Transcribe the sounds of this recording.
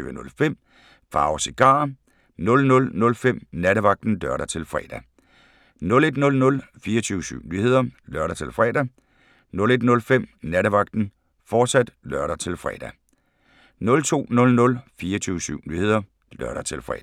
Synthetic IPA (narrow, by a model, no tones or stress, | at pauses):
yːʋənɔ̽lfem̰ | fɑ̈ːʊseɡ̥ɑ̰̈ː | nɔ̽lnɔ̽lnɔ̽lfem̰næɾəʋɑ̈ɡ̥̚d̥n̩dœɐɾɐt͡sʰe̝lfʁɛ̰ːd̥æ | nɔ̽le̝d̥nɔ̽lnɔ̽lfiːɐt͡sʰyːʊsy̰ʊ̰nyːhe̝ð̞̰ˠɐlɶɐɾɐt͡sʰe̝lfʁɛ̰ːdæ | nɔ̽le̝d̥nɔ̽lfem̰næɾəʋɑ̈ɡ̥̚d̥n̩ | fɒːd̥sæd̥lœɐɾɐt͡sʰe̝lfʁɛ̰ːd̥æ | nɔ̽lt͡sʰo̝̰ːnɔ̽lnɔ̽lfiːɐt͡sʰyːʊsy̰ʊ̰nyːhe̝ð̞̰ˠɐ | lɶɐɾ̥ɐt͡sʰe̝lfʁɛ̰ː